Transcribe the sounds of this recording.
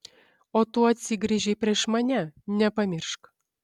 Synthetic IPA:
ot̪uɐt̪ʲsʲiɡɾʲiʒʲepʲrʲeːʃmɐnʲɛnʲɛpɐmʲirʃk

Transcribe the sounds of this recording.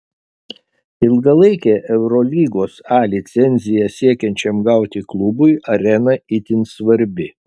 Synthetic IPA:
ɪlˠɡɐlˠɐɪkʲɛːʔɛʊɾɔlʲiːɡoːsɑːlʲɪt̪sʲɛnʲzʲɪjɛsʲiɛkʲɛnʲt͡ʃʲɛmɡɐʊt̪ʲɪklˠʊbʊɪʔɐɾʲɛnɐɪt̪ʲɪnsʋɐɾʲbʲɪ

